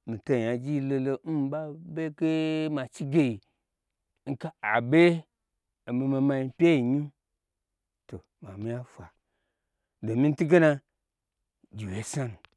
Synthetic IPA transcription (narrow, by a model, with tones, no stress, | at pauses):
mĩ˨to˦˨a˨d͡ʒi˦lo˧lo˧m̩˦m˨˦ɓa˦be˦ke˦ma˨t͡ʃi˦ɡe˦ji˨˦ | ŋ̩˦ka˦a˨ɓe˦ | a˨mi˧ma˧ma˧ji˧pʲe˦i˨ɲi˦ | to˨ | ma˨mi˦a˦fʷa˨ | do˨mi˦n̩˦tu˦ɡe˦na˧ | d͡ʒi˨we˨˦sa˦nu˨